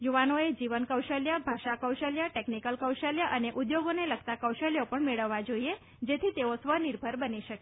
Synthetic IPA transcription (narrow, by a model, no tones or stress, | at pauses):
juʋanoed͡ʒiʋənkəwʃəljabʱaʃakəwʃəljaʈeknikəlkəwʃəljaʔəneʔud̪joɡonelək̚ʰt̪akəwʃəljopəɳmeɭəʋːad͡ʒoie | d͡ʒet̪ʰit̪eosʋəniɾbʱəɾbəniʃəke